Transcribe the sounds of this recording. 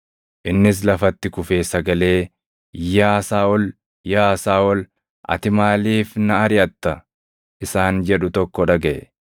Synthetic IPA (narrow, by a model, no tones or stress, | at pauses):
ʔɪnːɪs̬lɐfɐt̪ːɪkʊfeːsɐɡɐle̞ː | jaːsaːʔɔl | jaːsaːʔɔl | ʔɐ̰t̪ɪmaːliːfnɐɐɾɪɐt̪ːɐ | ʔɪsaːnd͡ʒɛᶑʊt̪ɔkːɔᶑɐɡɐʔɛ